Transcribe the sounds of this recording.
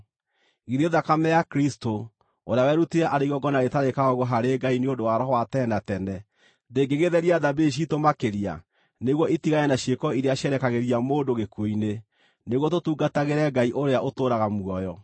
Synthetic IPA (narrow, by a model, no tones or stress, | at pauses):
iðeðakamɛjakɾisto | oɾeawɛːɾuteɛʔaɾeiɣɔɡɔnaetaɾekaɔɣoɦaɾeɡaineondowaɾɔɦɔwatɛːnatɛnɛ | deɡeɣeðɛɾiaðabeʃ̬itomakeɾia̰ | neɣwɔitiɣajɛnaɕiekɔiɾeaɕɛɾɛkaɣeɾiamoːndoɣekoine | neɣwɔt̬otuːɡataɣeɾɛɡaiʔoɾeaʔotoːɾaɣamwɔjɔ